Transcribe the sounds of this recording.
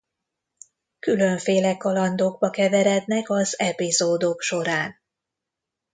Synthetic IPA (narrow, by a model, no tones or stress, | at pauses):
kylø̞ɱfeːlɛkɒlɒnd̪oːɡ̚bɒkɛvɛɾɛd̪nɛkɒzɛpizoːd̪okʃo̞ɾaːn